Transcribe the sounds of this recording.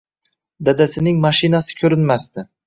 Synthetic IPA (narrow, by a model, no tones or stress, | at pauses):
d̪ad̪asɪnɪŋmaʃɪnasɪ̥kʲʰɵɾɪnmast̪ɪ